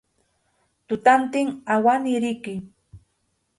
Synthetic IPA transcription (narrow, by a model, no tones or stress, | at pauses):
t̪ʊt̪ant̪ɪŋawanɪɾɪkɪ